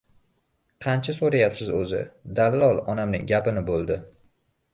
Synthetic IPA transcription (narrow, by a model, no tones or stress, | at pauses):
qʰɑnt͡ʃʰasoɾajapsɪzɵzɪ̰d̪allɒlˠɒnamnɪ̰ŋɡʲapɪnɪbolˠd̪ɪ